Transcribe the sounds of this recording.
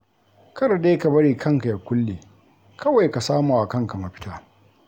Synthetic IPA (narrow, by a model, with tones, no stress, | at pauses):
kɐ˦ɽa˨ɗe˦ka˨bɐ˦ɽiː˨kʰɐ˦ŋka˨ja˨kʷʊ˦lːeː˨ | kʰɐ˦wa˨jka˨saː˦maː˨wa˨kɐ˦ŋka˨mɐ˨ɸɪ̥˦taː˦